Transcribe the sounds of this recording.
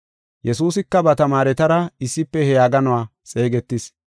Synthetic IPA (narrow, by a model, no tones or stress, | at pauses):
jɛsuːsɪkːɐbɐt̪ɐmaːɾɛt̪ɐɾɐɪsːɪpːɛhɛjaːɡɐnɔwaːsʼe̞ːɡɛt̪ːɪs